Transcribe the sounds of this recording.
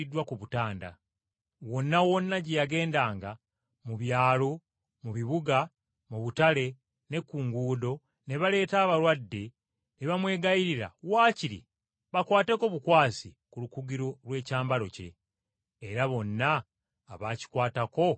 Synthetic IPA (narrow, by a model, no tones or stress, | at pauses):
idːwakuβutaːnda̰ | wo̞nːawo̞nːaɟejaɡe̞ːndaːŋɡa | muβjaːlo | muβiβuɡa | muβutale̞ | ne̞kːuːŋɡuːdo̞ | ne̞βale̞ːtaːβaɾwadːe̞ | neβamwe̞ːɡajiɾiɾa̰waːciɾḭ | βakwaːte̞ko̞βukwaːsi | kulukuɡiɾo̞lwe̞ːcaːmbaɾo̞ce̞̰ː | ɾaβo̞nːaː | βaːci̥kwaːtako̞